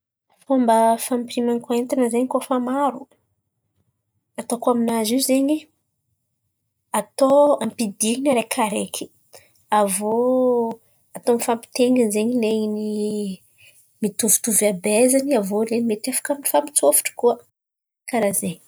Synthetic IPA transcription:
fambəfampiɾimankent̪anəzeɲkufamaɾu | at̪okuaminaziwzeɲi | at̪oampid̪inaɾekʰaɾekʰi̥ | avo | at̪onfampi̥t̪eŋɡənzeɲileɲini | mit̪uvi̥t̪uvabezaniavolenimeʈ͡ʂafḁkaminifampi̥t͡sofi̥ʈ͡ʂkuə | kaɾazeɲ

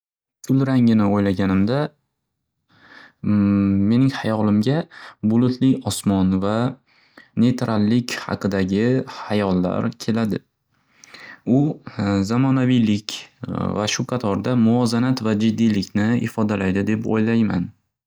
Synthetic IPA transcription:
kʰʊlˠɾaŋɪnɪojlaɡʲanɪmd̪a | e̞nɪŋhajɒlˠɪmɡʲabʊlˠʊt̪ʰlɪjʲɒsmɒnva | ne̞t̪ɾalːɪkʲhɑ̰qʰɨd̪aɡʲɪhajɒlˠːa̰ɾkʲʰe̞lad̪ɪ | ʊzamɒnavijlɪkʲva̰ʃʊqʰɑt̪ʰɒɾd̪amʊɒzanat̪vad͡ʒɪd̪ːijlɪkʲnɪɪ̰fɒd̪alajd̪ɪd̪e̞po̰jlajma̰n

